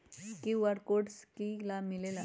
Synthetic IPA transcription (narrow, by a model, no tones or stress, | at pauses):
kiʋaɾkoɖskilamilela